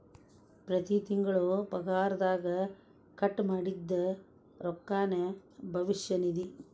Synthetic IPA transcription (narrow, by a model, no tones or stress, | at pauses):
pɾɐt̪it̪iŋɡɐɭopɐɡaːɾɐd̪aːɡɐ | kɐʈːmaːɽid̪ːɐ | ɾɔkːaːnebʱɐʋiʃjɐnid̪i